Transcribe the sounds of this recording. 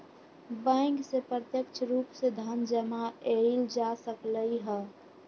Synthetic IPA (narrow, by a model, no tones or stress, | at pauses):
bãɪŋksepɾət̪jəkt͡ʃʰɾuːpsed̪ʱənd͡ʒəmaeld͡ʒasəkləiɦɛː